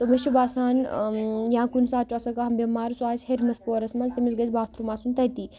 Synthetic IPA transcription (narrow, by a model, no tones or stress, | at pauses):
t̪omɐst͡ʃubaːsaːnjãːkunsaːt͡ʃuɐsɐkaɦɐmbʲɐmaːɾsuaːisʲheɾmɐspoːɾɐsmɐzt̪ɐmisɡɐzbaːt̪ɾumaːsunt̪ɐt̪iː